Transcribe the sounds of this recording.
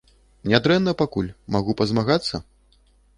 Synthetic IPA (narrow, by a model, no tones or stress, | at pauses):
nʲad̪ɾɛnːɐpakulʲmaɣupɐzmaɣat̪sːɐ̰